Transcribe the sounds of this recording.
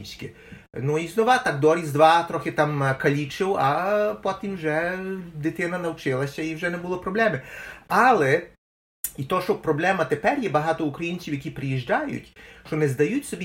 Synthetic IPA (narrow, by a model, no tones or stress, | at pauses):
sʲkɪ | nuiznɔʋɑt̪ɑkd̪ɔɾʲizd̪ʋɑt̪ɾɔxɪt̪ɑmkɐlʲit͡ʃɪwɐpɔt̪ʲimwʒɛd̪ɪt̪ɪnɐnɐwt͡ʃɪlˠɐsʲɐiwʒɛnɛbuʊlˠɔpɾɔblˠɛmɪɑlˠɛ | it̪ɔʃɔpɾɔblˠɛmɐt̪epɛrjɛbɐɦɑt̪ɔukɾɐjinʲt͡sʲiwjɐkʲipɾɪjiʒd͡ʒɑjʊ̰tʲʃt͡ʃɔnɛzd̪ɐjutʲsɔbʲi